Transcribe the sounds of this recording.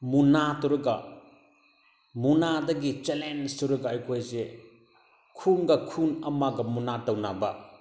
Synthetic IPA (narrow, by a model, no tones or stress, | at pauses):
munatuɾuɡɐ | munadɐɡit͡ʃelenstuɾuɡɐːjkʰojze | kʰunɡɐkʰunɐmaɡɐmunatɐwnabɐ